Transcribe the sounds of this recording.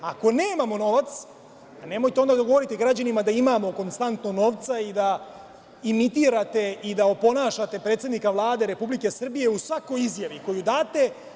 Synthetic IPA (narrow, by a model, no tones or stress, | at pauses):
ako̞neːmamo̞no̞ʋat̪s | ane̞mo̞jt̪eo̞nd̪ad̪oɡo̞ʋo̞ɾit̪eɡɾad͡ʑanimad̪aimaːmo̞ko̞nst̪ant̪no̞ɡno̞ʋt̪said̪a | imit̪iːɾat̪e̞id̪aopo̞naːʃat̪e̞pɾet̪sed̪nikaʋlˠaːd̪e̞ɾe̞publike̞sr̩bije̞usʋako̞jizjaʋiko̞jud̪aːt̪e̞